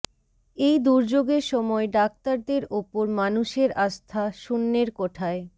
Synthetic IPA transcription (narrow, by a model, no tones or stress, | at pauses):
ejd̪uɾd͡ʑoɡeɾʃɔmɔeɖak̚t̪aɾd̪eɾopoɾmanuʃeɾast̪ʰaʃunːeɾkoʈʰae